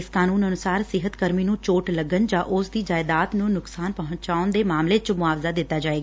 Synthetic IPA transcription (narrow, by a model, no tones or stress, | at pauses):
ɪskaːnuːnənʊsaːɾsɪɦət̪kəɾmiːnũːt͡ʃoːʈləɡənd͡ʒãːʔʊsd̪iːd͡ʒaːɪd̪aːt̪nũːnʊksaːnpəɦʊ̃ɲt͡ʃaːʊnd̪eːmaːmleːt͡ʃmʊaːʋzaːd̪ɪt̪ːaːd͡ʒaːeːɡaː